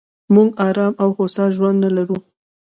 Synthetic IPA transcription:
muɡɑɾɑmawxosɑʒwand̪nəlaɾu

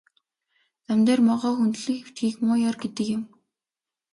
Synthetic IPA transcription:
t̪æmt̪eːrmɔʁɔːxunt̪ɮɘ̆kxew̥t̪ɡiːkmʊːjɔrɡet̪ɘ̆kjʊ̆m

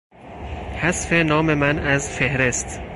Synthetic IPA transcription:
hæsfenɒːme̞mænæzfehɾest̪

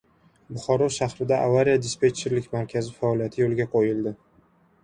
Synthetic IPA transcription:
bʊχɒɾɒʃahɾɪd̪aʔavaɾijad̪ʲɪspʲet͡ʃʰeɾlɪkʲmaɾkʲʰazɪfaɒlijat̪ʰɪjolɡʲaqʰojɪld̪ɪ

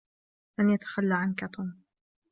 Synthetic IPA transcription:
lanjat̪ḁxalːaʕankat̪ˤʊːm

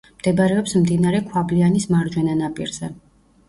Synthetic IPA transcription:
md̪̥ɛbɾɛɔpsmd̪inaɾɛkʰwablianismaɾd͡ʒwɛnanapʼḭɾz̥ɛ

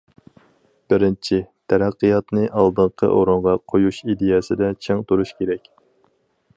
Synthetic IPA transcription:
b̥ɪɾɪnt͡ʃʰit̪ʰæɾæqːijɑt̪nɨʔɑlˠd̪ɨɴqʰə̰ʔoɾuɴʁɑqʰojuʃid̪ejɛsɪd̪ɛt͡ʃʰeŋt̪uɾuʃkʲʰeɾɛkʲ

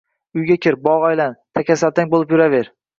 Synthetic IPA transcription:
ʊjɡʲakʲʰɪɾbɒʁɒjlant̪ʰakʲasalt̪aŋʲbolˠɪpjʊɾaveɾ

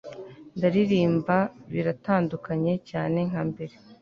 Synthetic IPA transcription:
ndaɾiɾiːmbaβiɾataːndukaɲe̞caːne̞ŋ̥hambe̞ɾe̞

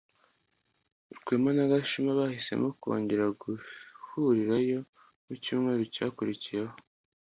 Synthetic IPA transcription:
uɾɡeːmanaɡaʃimaβahise̞̰mokuo̰ːɲɟeɾaɡuhuɾiɾajo̞ | mucuːmŋe̞ːɾoca̰ːkuɾicijeho

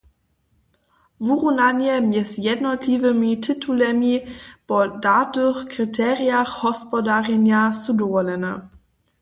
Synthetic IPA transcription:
vuʁunanjɛmjɛsjɛdnɔtlʲivəmitʰɪtʰulɛmipɔdatəxkʁitʰɛʁijaxhɔspɔdaʁɛnjasudɔvɔlɛnə

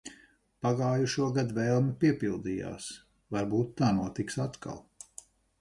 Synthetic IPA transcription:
paɡaːjuʃuɔɡad̪vɛːlˠmipiɛpilˠd̪iːja̰ːs | vaɾbuːt̪ːaːnuɔt̪iksat̪ka̰lˠ

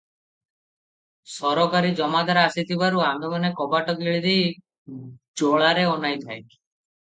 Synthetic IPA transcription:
sɔɾɔkaɾid͡ʒɔmad̪aɾasit̪ʰibaɾuand̪ɔmɔnekɔbaʈɔkiɭid̪ej | d͡ʒoɭaɾeɔnajt̪ʰajki̥

